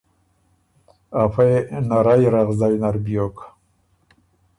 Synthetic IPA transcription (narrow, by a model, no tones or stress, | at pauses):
afajnaɾajɾaʁzajnaɾbjok